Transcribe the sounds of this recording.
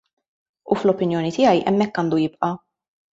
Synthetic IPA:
uflɔpɪnjɔːnit̪ɪjɐjʔɛ̰mːɛkːɐːnd̪ujɪpʔɐ

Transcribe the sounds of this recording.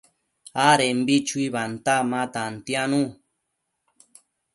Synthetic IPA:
aɾembit͡ʃuiβant̪amãt̪ant̪janũ

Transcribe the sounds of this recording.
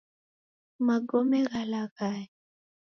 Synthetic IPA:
maɡɔmɛɣalaɣaɛ

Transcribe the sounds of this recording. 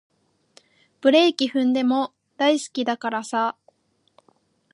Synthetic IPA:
b̥ɯ̟ɾe̞ikʲiɸɯ̟̃nd̪e̞mo̞ | d̪aisɨ̥kʲid̪akaɾasa

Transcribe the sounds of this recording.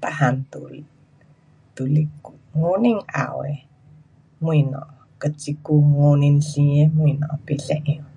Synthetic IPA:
t̪ahant̪ṵl | d̪̥uliku | ŋoniŋa̰wḛ | muinɔ̰ʔ | kət͡ʃikuŋoninɬiemuinɔʔpiɬɛʔj

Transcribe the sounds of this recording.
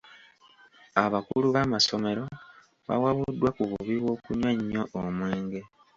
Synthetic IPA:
aβakuluβamaso̞me̞ɾo̞ | βa̰waβudːwakuβuβiβwo̞ːkuɲwaɲːo̞ʔːmwe̞ːŋɡe̞

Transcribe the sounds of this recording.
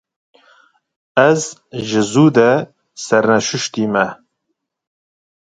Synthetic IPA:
ɛzʒɪzuːd̪ɛ | sɛɾnɛʃʊʃt̪iːmɛ

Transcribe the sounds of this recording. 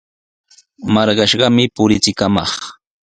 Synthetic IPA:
mɑɾɢɑʃɢɑmɪpʊɾɪt͡sɪkamɑ̰χ

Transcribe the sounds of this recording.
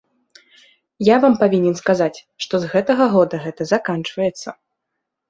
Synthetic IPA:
javampavʲinʲɛnskazat͡sʲ | ʂt̪ɔzɣɛt̪ɐɣɐɣɔd̪ɐɣɛt̪ɐzakant͡ʂvɐjɛt̪sːɐ

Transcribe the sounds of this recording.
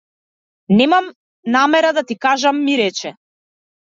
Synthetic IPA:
nɛmam | namɛɾad̪at̪ikaʒamːiɾɛt͡ʃɛ

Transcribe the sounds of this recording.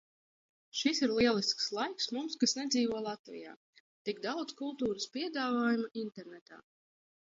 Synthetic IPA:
ʃisiɾlˠiɛlˠiskslˠajksmumskasnɛd̪ziːvɔɔlˠat̪vḭja̰ː | t̪iɡd̪awd̪kulˠt̪uːɾəspiɛd̪aːvaːjumaʔint̪ɛɾnɛt̪a̰ː

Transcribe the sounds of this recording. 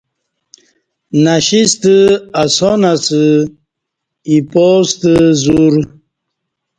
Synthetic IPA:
naɕist̪əasonasɨ | ipost̪əzuɾ

